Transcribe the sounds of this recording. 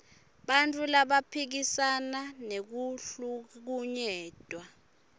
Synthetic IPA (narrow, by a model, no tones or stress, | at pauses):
ɓantʼulaɓapʰik̬isananek̬uɬuk̬uɲɛːd̥ʱwa